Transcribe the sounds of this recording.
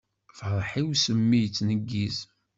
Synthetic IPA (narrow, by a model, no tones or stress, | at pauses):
fəðˤħiwsəmːijt͡sːnəɡːiz